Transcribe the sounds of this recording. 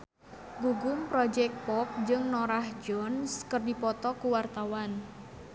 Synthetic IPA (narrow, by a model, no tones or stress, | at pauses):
ɡuɡʊmpɾɔd͡ʒɛk̚pɔp̚d͡ʒɨŋnoɾahd͡ʒɔnskərdipɔt̪ɔkuwart̪awan